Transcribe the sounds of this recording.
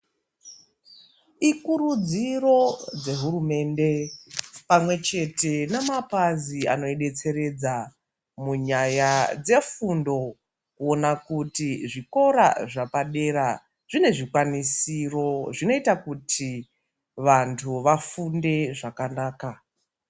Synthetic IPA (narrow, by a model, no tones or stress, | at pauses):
ikurud͡ziro̞d͡ze̞ɦuɾume̞nde̞ | pamwe̞t͡ʃe̞te̞nemapazia̰no̞iɗe̞t͡se̞ɾe̞d͡za | muɲajad͡ze̞fundo̞ | kuonakutiʐiko̞ɾa̰ʐapaɗe̞ɾa | ʐ̥ine̞ʐikwanisiro̞ʐino̞itakutʰi | ʋantʰuʋafunde̞ʐakanaːka